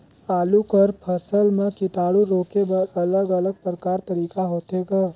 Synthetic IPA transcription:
aːlukəɾpʰɐsəlmẽkɪt̪aːɽuɾoːkebəɐləɡɐləɡ̚pɾəkaːɾt̪ɐɾiːkaɦoːt̪eɡaː

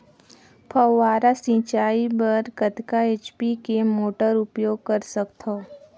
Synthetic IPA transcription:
pʰəaːɾasĩːt͡ʃaːibɐɾkət̪kaeːt͡ʃpikemoːʈəɾʊpjoːɡ̚kɐɾsəkt̪ʰo

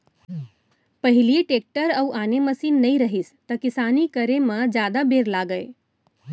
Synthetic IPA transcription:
pəɦilieʈek̚ʈəɾauʔaːneməsiːnːəiɾəɦist̪əkɪsaːnikəɾemə̃d͡ʒjaːd̪abeɾlaːɡəe

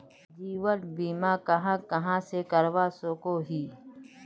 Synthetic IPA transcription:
d͡ʒiːwənbiːmaːkɐɦãːkɐɦãːsekɐɾʋaːsoːkoːɦiː

